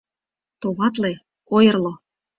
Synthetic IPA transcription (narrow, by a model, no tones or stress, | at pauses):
t̪oβɑt̪̬le | ojɤ̆rlo